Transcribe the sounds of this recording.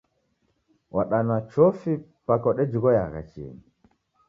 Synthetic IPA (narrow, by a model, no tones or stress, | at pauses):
wʔaɗanat͡ʃɔfipakɔɗɛd͡ʒuɣɔjaɣa̰t͡ʃḭni